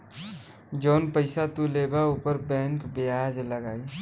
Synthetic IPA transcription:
d͡ʒoːnpəɪsat̪ulebaupəɾbɛ̃ːŋkbead͡ʒləɡaːi

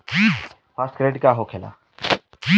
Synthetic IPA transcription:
ki | pʰaːskɾeːɖkaːɦoːkʰela̰ː | i

